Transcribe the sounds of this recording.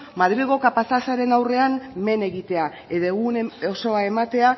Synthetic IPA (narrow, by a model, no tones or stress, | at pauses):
maðɾiɣo̞kapasasaɾe̞nawre̞amme̞ne̞ɣit̪e̞a | eðeɣunoso̞ae̞mat̪e̞a